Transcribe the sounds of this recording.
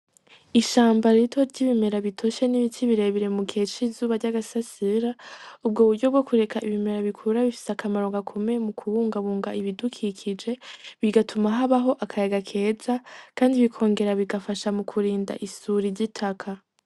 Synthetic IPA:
iʃaːmbaɾitʰo̞ɾɟiβime̞ɾaβitʰo̞ʃe̞niβitʰiβiɾe̞βiɾe̞mukʰe̞t͡ʃizuːβaɾɟaɡasasiɾaub̚ɡo̞ːβuɾɟo̞bɡo̞kʰuɾe̞kʰaiβime̞ɾaβikʰuɾaβifi̥seakʰamaɾo̞ɡakʰo̞memukʰuβuːŋɡaβuːŋɡaʔiβidukʰikʰid͡ʒe̞βiɡatʰumaɦaβaɦo̞ʔakʰajaɡakʰe̞ːzakʰaːndiβikʰo̞ːŋɡe̞ɾaβiɡafaʃamukʰuɾiːnda̰ʔisuɾiɾɟitʰakʰa

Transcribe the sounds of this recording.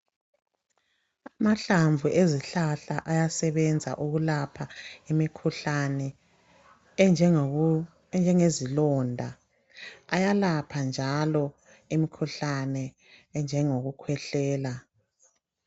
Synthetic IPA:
amaɬaɱvuʔeziɬaɬaʔajasɛβɛnd͡zʱa̰ʔuɣulapʰaimikʰuɬanɛ | nd͡ʒʱɛŋezilɔndʱa | ajalapʰand͡ʒʱalɔ | imikʰuɬanɛ | nd͡ʒʱɛŋoɣukʰwɛɬɛːla

